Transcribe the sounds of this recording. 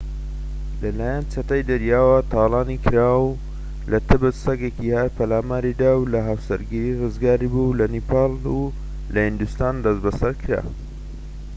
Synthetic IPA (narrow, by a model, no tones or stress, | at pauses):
lɐlaːjant͡ʃʰɐt̪ɐjd̪ɐɾjaːwɐt̪ʰɑːlɑːnikʰɨɾaw | lɐt̪ʰɨbɨt̪sɐɡekihaɾpʰɐlaːmaːɾid̪aːwlɐɦaːwsɐ̰ɾɡiɾirɨzɡaːɾibulɐnipʰɑːlu | lɐhind̪ust̪aːnd̪ɐsbɐsɐɾkʰɨɾa̰ː